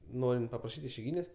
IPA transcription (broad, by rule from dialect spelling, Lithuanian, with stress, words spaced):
ˈnoːrʲɪnt pɐprɐˈʃʲiːtʲ ɪʃʲɛɪˈɡʲiːnʲeːsʲ